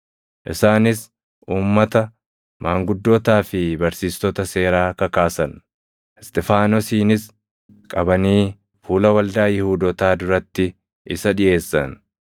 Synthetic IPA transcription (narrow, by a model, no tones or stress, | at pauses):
ʔɪ̰saːnɪs | ʔuːmːɐt̪ɐ | mʔaːŋɡʊd̪ːoːt̪aːfɪbɐɾsiːst̪ɔt̪ɐse̞ːɾaːkɐkaːsɐn | ɛst̪ʼɛfaːnɔsiːnɪs | kʼɐbɐniː | fuːlɐwɐld̪aːjɪhuːd̪ɔt̪aːd̪ʊɾɐt̪ːɪ | ʔɪsɐᶑɪʔe̞ːsːɐ̰n